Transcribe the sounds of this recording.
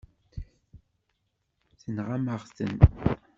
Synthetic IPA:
θənʁaməʁst̪ə̰n

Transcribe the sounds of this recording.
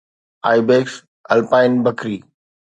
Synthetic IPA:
aːɪbeːks | ɐ̰lpaːɪnbɐkɾiː

